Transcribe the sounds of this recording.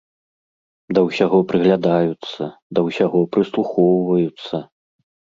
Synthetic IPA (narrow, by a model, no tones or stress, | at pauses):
d̪ɐwsʲaɣɔpɾɨɣlʲad̪ajut̪sːɐd̪ɐwsʲaɣɔpɾɨslˠuxɔwvɐjut̪sːɐ